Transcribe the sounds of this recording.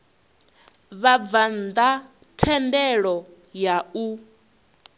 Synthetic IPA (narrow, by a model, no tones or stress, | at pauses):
βavand̪a | tʰɛndɛɺɔ | jau